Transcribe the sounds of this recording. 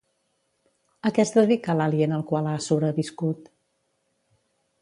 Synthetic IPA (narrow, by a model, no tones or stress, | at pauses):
əkɛst̪əðikaəlaliənəlˠkwalˠasoβɾəβiskut̪